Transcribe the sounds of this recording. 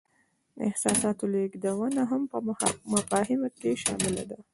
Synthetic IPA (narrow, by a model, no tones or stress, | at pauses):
ɪ̰hsɑsɑt̪oleɡd̪awənaɦampəmafɑhɪmakeʃɑ̰mɪla̰d̪a